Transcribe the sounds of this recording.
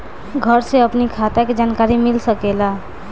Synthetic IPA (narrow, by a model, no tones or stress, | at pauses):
ɡʱəɾseəpnikʰat̪aked͡ʒankaɾimilsəkela